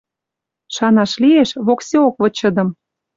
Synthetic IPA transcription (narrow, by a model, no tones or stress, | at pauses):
ʃɑnɑʃlieʃβoksʲeokβɤ̆t͡ɕɤ̆d̪ɤ̆m